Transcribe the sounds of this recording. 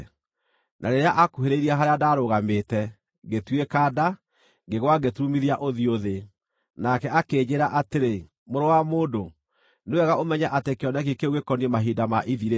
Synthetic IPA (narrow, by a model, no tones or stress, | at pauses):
nʔaɾeɾeaʔakuɦeɾeiɾiaɦaɾeadaɾoɣameːtɛ | ɡetwekaːda | ɡeɣwaɡetumiðiaʔoðioðe | nakɛakeːd͡ʑeɾaʔateɾe | moɾowamoːdo | newɛɣaʔomɛɲɛʔatekeɔnɛk̬ikeɣwekɔniemaɦidamaʔiðiɾe